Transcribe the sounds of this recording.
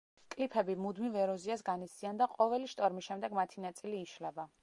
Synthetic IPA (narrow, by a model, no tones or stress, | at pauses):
kʼlipʰɛbimud̪mivɛɾɔziasɡanit̪sʼiand̪aqʼɔvɛliʃt̪ʼɔɾmisʃɛmd̪ɛɡmat̪ʰinat̪sʼiliːʃlɛba